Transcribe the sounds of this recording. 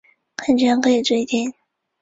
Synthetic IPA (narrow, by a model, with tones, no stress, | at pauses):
kʰə˥˩nt͡ɕŋkʰɤ˧˥i˨˩t͡swe˥˩ɪt̪jɛ˥˩n